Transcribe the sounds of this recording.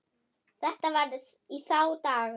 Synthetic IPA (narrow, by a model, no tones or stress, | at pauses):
θɛht̪avaɾɪ | iθaːwt̪aːɣ